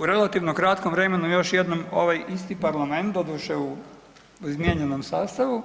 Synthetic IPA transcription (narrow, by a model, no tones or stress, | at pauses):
uɾe̞lat̪iʋnokɾat̪komʋɾe̞menujo̞ʃjed̪nomoʋajist̪ipaɾlˠame̞nt̪d̪od̪uʃeu | zmʲjeɲenomsaːst̪aʋu